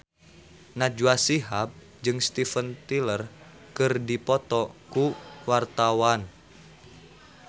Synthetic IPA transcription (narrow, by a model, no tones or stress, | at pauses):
nad͡ʒuasiɦap̚ | d͡ʒɨŋst̪ifənt̪ilər | kɨrdipɔt̪ɔkuwart̪awan